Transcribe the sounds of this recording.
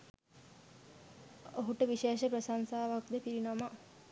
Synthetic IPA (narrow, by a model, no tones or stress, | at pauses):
oɦuʈəʋiʃeːʃəpɾəsansaːʋak̚d̪əpiɾinama